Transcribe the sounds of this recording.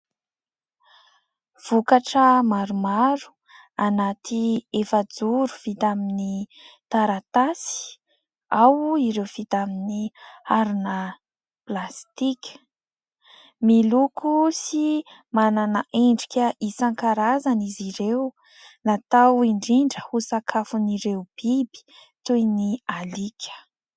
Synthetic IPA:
v̥ukaʈ͡ʂəmaɾumaɾu̥ | anat̪iefəd͡zuɾu̥v̥it̪aminit̪aɾat̪asi̥ | awiɾewfit̪aminiaɾinə | plast̪ikʲə̥ | milukusimananaʔeɳɖ͡ʐikʲəʔisaŋkaɾazaniziɾew | nat̪awiɳɖ͡ʐiɳɖ͡ʐəhusakʰafuniɾeub̥ibi̥ | t̪ujnialikʰʲə̥

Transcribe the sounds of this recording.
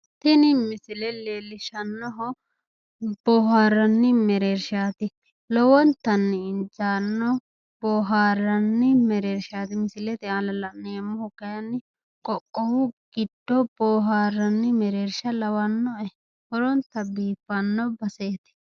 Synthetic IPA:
t̪ɪnɪmɪsɪlɛleːlɪʃɐnːɔɦɔ | b̥ɔːɦaːɾɐnːɪmɛɾeːɾʃaːt̪ɪ | lɔwɔnt̪ɐnːɪɪnd͡ʒaːnːɔ | b̥ɔːɦaːɾɐnːɪmɛɾeːɾʃaːt̪ɪmɪsɪlɛt̪ɪaːlɐlɐʔneɐmːɔhɔkɐjɐnːɪ | kɔʔɔwʊɡ̥ɪdːɔb̥ɔːɦaːɾɐnːɪmɛɾeːɾʃɐlɐwɐnːɔɛ | hɔɾɔnt̪ɐbiːfːɐnːɔbɐseːt̪ɪ̥

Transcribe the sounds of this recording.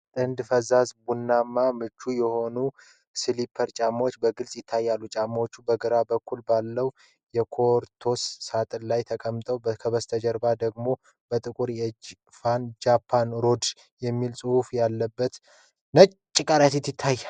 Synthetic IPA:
t̪ʼɨnd̪fəzazbunːamːamɨt͡ʃːujɛho̞nu | sɨlipʰːəɾt͡ʃʼamwot͡ʃːbəɡɨlsʼjɪt̪ʰːajːalːut͡ʃʼamːwot͡ʃːubəɡɨɾabəkʰːulbalːəw | jɛkʰo̞ɾt̪ʰo̞sːat̪ʼɨlajt̪ʰəkʼəmːt̪ʼəwbkʰəβəst̪ʰəd͡ʒəɾbad̪əɡmo̞ | b̥ət̪ʼɨkʼuɾjɛ | fand͡ʒapʰːanɾo̞d̪ | jɛmːilsʼɨhufjalːəbːət̪ | nət͡ʃʼt͡ʃʼːɪkʼaɾjat̪it̪ːɪt̪ʰːaj

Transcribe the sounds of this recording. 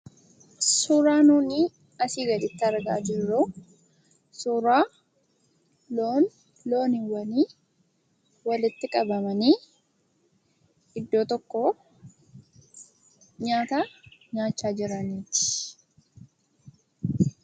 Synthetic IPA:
suːɾaːnuːniː | ɐsiːɡɐᶑ̪ɪt̪ːɪɐɾɡa̰ːd͡ʒɪrːu | suːɾaː | loːn | lo̞ːnɪwɐniː | wɐlɪt̪ːɪkʼɐbɐmɐniː | ɪd̪ːo̞ːt̪ɔkːoː | ɲaːt̪aːɲaːt͡ʃːaːd͡ʒɪɾɐniːt̪ɪ̥

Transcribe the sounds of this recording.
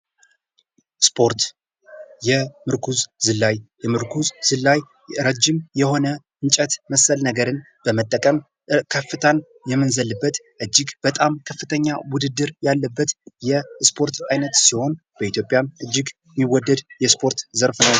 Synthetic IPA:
spʰoɾt̪ | jɛmɨɾkʰuzzɨlːajjɛmɨɾkʰuzzɨlːaj | ɾəd͡ʒːɪmjɛho̞nə | ɨnt͡ʃʼət̪məsəlnəɡəɾɨn | b̥əmət̪ʼːəkʼəm | kʰəfːɨt̪ʰən | jɛmːɨnzəlːɨbːət̪ | ʔɨd͡ʒːɪɡb̥ət̪ʼamkʰəfːɨt̪ʰəɲːawʊd̪ɨd̪ːɨɾjalːəbːət̪jɛspʰo̞ɾt̪ajnət̪siho̞n | b̥əit̪ʰjo̞pʼjanʔɨd͡ʒːɪɡ | miwɔd̪ːəd̪jɛspʰo̞ɾt̪zəɾfnəw

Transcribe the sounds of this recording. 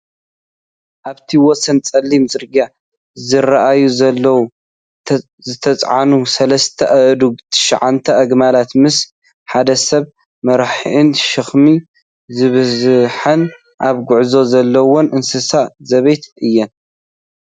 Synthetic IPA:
ʔaβt̪ʰiwɔsɐnt͡sʼɐlːimzɨɾɡa | zɨraʔajuzɐlːɐwu | zɨt̪ʰɐt͡sʼʕa̰nusɐlɐst̪ʰɐʔɐʔd̪uɡt̪ʰɨ̥ʃa̰ʕant̪ʰɐʔɐɡmalat̪mɨs | ħad̪ɐsɐβ | mɐɾħʕɨnʃɨxmi | zɨβɨzħɐn | ʔaβɡʊʕzo̞zɐlːɐwonʔɨnsɨsazɐβejt̪ɨjːɛn

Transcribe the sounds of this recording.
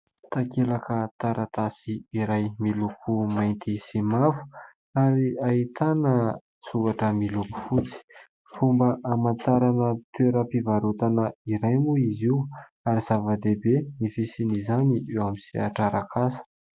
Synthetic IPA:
t̪akelakət̪aɾʔat̪asiiɾajmilukʰumajnt̪isimafu̥ | aɾiait̪anə | t͡suvaʈ͡ʂəmiluku̥fut͡si̥ | fumbəʔamant̪aɾanət̪weɾəpivaɾut̪anəiɾajmuiziw | aɾizavad̪ebenifisinizaniʔewamisiaʈ͡ʂaɾakʰasə̥

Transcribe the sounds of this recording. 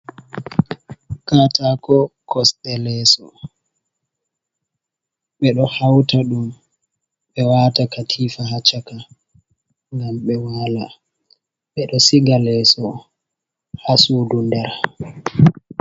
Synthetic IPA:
katakɔkʰɔstɛlɛːsɔ | ɓɛɗɔhawtaɗum | ɓɛwaːtakatʰiːfaɦat͡ʃaka | ŋɡamɓɛwala | ɓɛɗɔsiɡalɛːsɔ | hasuːdundɛɾ

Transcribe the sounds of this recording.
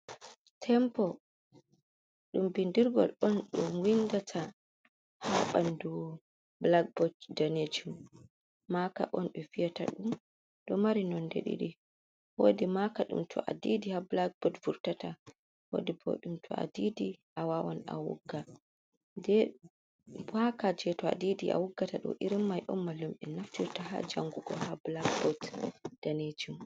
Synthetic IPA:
tʰɛmpɔ | ɗumbindiɾɡɔ̰lɔnɗumwindatʰa | haɓandu | blaɡ̚bɔddaned͡ʒum | maka̰ʔɔnɓɛfijata̰ɗum | ɗɔmaɾinɔndḛɗḭɗi | woːdimakaɗṵmtʰɔ̰ʔa̰didihablaɡ̚bɔtvuɾtata | ho̰dibo̰ɗumtʰɔʔa̰didiʔawawana̰wṵɡːa | dɛ | bakad͡ʒɛtɔa̰didiʔa̰wuɡːataɗɔ̰ʔiɾimːajʔɔmːalumʔɛnaftiɾtaha̰d͡ʒaŋɡuɡɔhablaɡbɔdd̥aned͡ʒum

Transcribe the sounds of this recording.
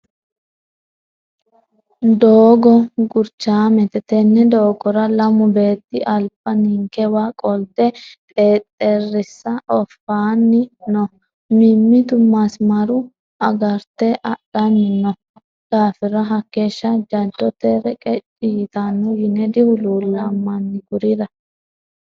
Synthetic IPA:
d̪oːɡɔɡʊɾt͡ʃːaːmɛt̪ɛt̪ɛnːɛd̪oːɡɔɾɐlɐmʊbe̞ːt̪ːɪʔɐlpʼːɐniːŋkɛwaːkʼɔlt̪ɛt̪ʼeːt̪ʼːɛrːɪsːɐʔɔfaːnːɪnɔ | mɪmːɪt̪ʊmːasmɐɾʊ | ʔɐɡɐɾt̪ɛʔɐɗɐnːɪnːɔ | ɡ̥aːfɪɾɐɦɐkːe̞ːʃːɐd͡ʒɐnt͡ʃːɔt̪ɛɾɛkʼɛt͡ʃʼiːt̪anːɔjɪnɛd̪ɪhʊluːlːɐmːɐnːɪɡʊɾɪd̪ɐ

